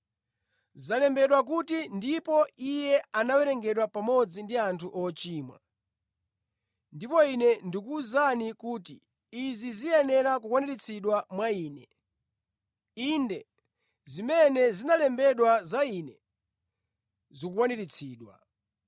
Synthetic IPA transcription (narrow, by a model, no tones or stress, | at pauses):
zalɛmbɛɗwak̬utindipɔijɛanawɛɾɛŋɡɛɗwapamɔd͡zindiantʰuʔɔt͡ʃiːmwa̰ | ndipɔinɛndikuːzanikuːtiː | zizijɛnɛɾak̬ukwaniɾit͡sʰiɗwamwaiːnɛ | indɛ | zimɛnɛzinalɛmbɛɗwazainɛ | zikukwaniɾit͡sʰiːɗwa̰